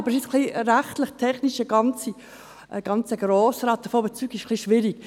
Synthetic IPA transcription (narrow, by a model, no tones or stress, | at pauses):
ɑbəɾʃɪt͡skliɾæχtləχt̪ʰɛχniʃəɡ̥ɑnt͡si | ʔəɡ̥ɑnt͡səɡɾoːsɾɑːt̚dəfoːbət͡syːɡɪʃkliʃʋɪɾik